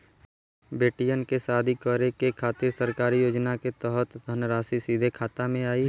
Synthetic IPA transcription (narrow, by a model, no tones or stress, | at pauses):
beːʈijənkesaːd̪ʱikɔːɾekekʰaːt̪ɪɾsəɾkaːɾijoːd͡ʒnaket̪ɛɦət̪d̪ʱənɾaːsisiːd̪ʱekʰaːt̪amẽaːi